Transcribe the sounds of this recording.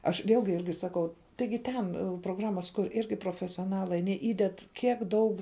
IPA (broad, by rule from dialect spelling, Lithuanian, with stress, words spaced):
ɐʃ ˈʋʲeːlʲɡʲɪ ˈɪrʲɡʲɪ ˈsɑːkɐʊ ˈtɐɪɡʲɪ ˈtoːˌbʊˌlˠʊtʲɛn proːˈɡrɑːmɐs ˈtoːˌbʊˌlˠʊkʊrʲ ˈɪrʲɡʲɪ proːfʲɛsʲoːˈnɑːlˠɐɪ ɐˈnʲiɛ ˈiːdʲɛt ˈkʲiɛk ˈdɐʊk